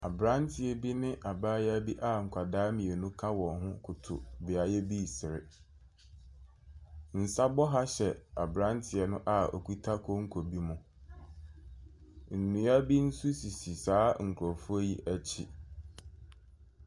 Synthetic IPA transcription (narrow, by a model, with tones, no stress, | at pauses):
a˨bɾã˦ntʰɪ˨ɛ˨bi˦nɪ̃˦ʔa˨baː˦ja˦bi˦ʔa˦ŋ̩˨kʷʰa˨daː˦mĩ˨e˨nũ˦kʰã˦wɔ̃˨hʊ̃˦kʰʊ˨tʰʊ̰˨bɪ˨a˨jɛ˦bi˦˨sɪ˨ɾɪ̰˨ | n̩˨sa˦bɔ˦ɦa˦ɕɛ˨a˨bɾã˦ntʰɪ˨ɛ˨nʊ̃˦ʔa˨o̰˨kʰu˦tʰa˦kʰɔ˦ŋ̩˦kʰo˨bi˦mʊ̃˨ | n̩˨nũ˨˦a˦bi˦n̩˦su˦si˨si˨saː˨˦ŋ̩˨kʰɾɔ˨fu˦æ˦ji˦ʔæ˦t͡ɕʰi˦